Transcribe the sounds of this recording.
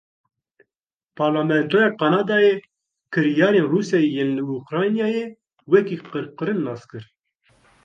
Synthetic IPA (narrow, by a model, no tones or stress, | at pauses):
pʰɑːɾlɑmɛnt̪ʰojɑqɑːnɑːd̪ɑːje | kʰɨɾijɑːɾeːnrusjɑːjejenlɨukɾɑjnijɑːje | wɛkiːqɨɾqɨɾɨnːɑːskɨɾ